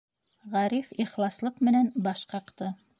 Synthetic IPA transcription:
ʁæɾifiχlˠɑslˠɤqmɘ̆nænbɑʃqɑqt̪ɤ

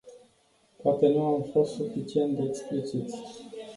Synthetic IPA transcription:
poat̪e̞nuamfo̞st̪sufit͡ʃie̞nt̪d̪eeksplit͡ʃit̪sʲ

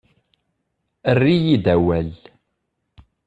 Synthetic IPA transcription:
ərːijid̪æwæl

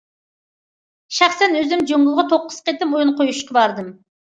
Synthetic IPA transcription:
ʃæχsɛnøzymd͡ʒuŋʊlˠʁɑt̪ʰoqːə̥sqet̪ːɪmojunqʰojuʃkɑbɑɾd̪ɨm

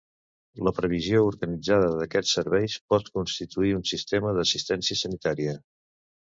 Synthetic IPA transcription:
ləpɾəβ̞iziouɾɣənid͡zaðəðəkɛt͡ssːəɾβɛjspɔt̪kunst̪it̪uiunsist̪eməðəsist̪ɛnsiəsənit̪aɾiə

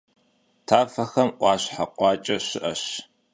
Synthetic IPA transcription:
tʰaːfɐxɐmʔʷɑːɕħaqʷʼɑːt͡ʃʼɐɕɪʔɐɕ

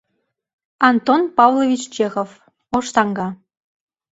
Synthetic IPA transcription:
ɑnt̪onpɑvlˠovʲit͡ɕt͡ɕexof | oʃt̪ɑŋɡɑ

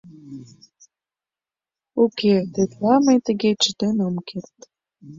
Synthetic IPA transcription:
oket̪et̪læmə̆jt̪ə̆ɣet͡ɕə̆d̪enɤmkert̪

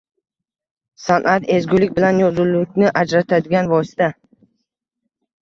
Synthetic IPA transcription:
sanʔat̪e̞zɡʲʊlɪk̚ʲbɪlanjɒzʊlːɪkʲnɪʔad͡ʒɾat̪ʰad̪ɪɡʲanvɒsɪ̥t̪ʰa

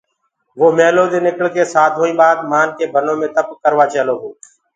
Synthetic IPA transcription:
ʋoːmeːloːd̪eːnɪkəɭkeːsaːt̪ʰɦoːĩːɓaːd̪maːnkeːbʱənõːmẽːt̪əp̚kəɾʋaːt͡ʃeːloːɦoː

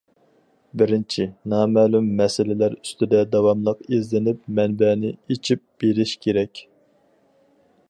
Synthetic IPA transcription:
bɪɾɪnt͡ʃʰinɑːmɛlumːɛsɪlɪlæɾyst̪ɪd̪ɛd̪ɑwɑmlˠəqezlɪnɪpmɛnbɛnɪet͡ʃʰip̚b̥eɾɪʃkʲʰeɾɛkʲ

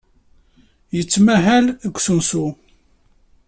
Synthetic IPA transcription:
jət͡sːmæɦæləɡʷsunsu

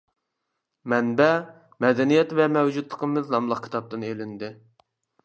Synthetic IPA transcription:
mɛnbɛ | mɛd̪ɛnijɛt̪vɛmɛwd͡ʒut̪lˠəqʰəmɨznɑmlˠəq̚kʲʰi̥t̪ʰɑp̚t̪ɨnelɪnd̪ɪ

